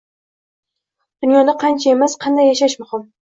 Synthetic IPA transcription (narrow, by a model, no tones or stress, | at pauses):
d̪̥ʊnjɒd̪aqʰɑnt͡ʃʰae̞masqʰɑnd̪ajːaʃaʃmʊhɪm